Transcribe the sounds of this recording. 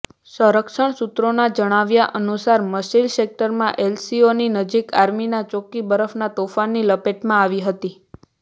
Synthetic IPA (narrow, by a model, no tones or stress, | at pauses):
səɾəkʃəɳ̃sut̪ɾonad͡ʒəɽ̃aʋjaʔənusaɾməsilsek̚ʈəɾmãʔelsioninəd͡ʒikaɾminat͡ʃokibəɾəfʰnat̪ofanːiləpeʈmãaʋiɦət̪i